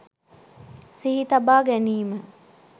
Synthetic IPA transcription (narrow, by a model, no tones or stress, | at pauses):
siɦit̪ɐbaːɡæniːmə